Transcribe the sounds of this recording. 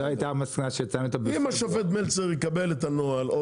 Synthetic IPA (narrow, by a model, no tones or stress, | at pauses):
it̪aʁmasknaʃejot͡samot̪obimaʃovet̪melt͡seʁikabelet̪anoalo